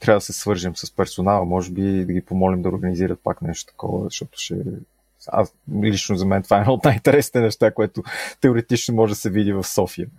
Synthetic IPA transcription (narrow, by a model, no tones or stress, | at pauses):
t̪ɾavəd̪ɐsɛsvɤɾʒimsɐspɛɾsonalˠəmɔʒɛbid̪ɐɡipomɔlimd̪ɐoɾɡəniziɾət̪̚paknɛʃt̪o̥t̪ɐ̥kɔ̰və̰ʃt̪ɔt̪ʊ̥ʃɛ̰ | a̰slit͡ʃnozɐmɛnt̪vaɛnaot̪najint̪ɛɾɛsni̥t̪ɛnɛʃt̪akoɛt̪ot̪ɛʊɾɛt̪it͡ʃnomɔʒɛd̪ɐsɛvid̪ivɐfsɔfiə